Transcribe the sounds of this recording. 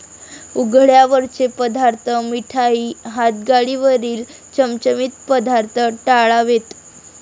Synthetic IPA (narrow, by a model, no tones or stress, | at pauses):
uɡʱɭjaʋəɾt͡ɕepəd̪ʱaɾt̪ʰəmiʈʰaiːɦat̪̚ɡaɭiʋəɾiːl | t͡ɕəmt͡ɕəmiːt̪̚pəd̪ʱaɾt̪ʰəʈaɭaʋet̪